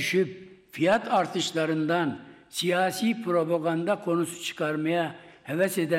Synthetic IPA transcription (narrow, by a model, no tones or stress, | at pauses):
yʃypfijat̪ʰɑɾt̪ʰɯʃlˠɑɾɯnd̪ɑn | sijaːsiːpʰɾopaɡand̪akʰo̞nusu̥t͡ʃʰɯ̥kʰɑɾmɑjahɛvɛsed̪ɛ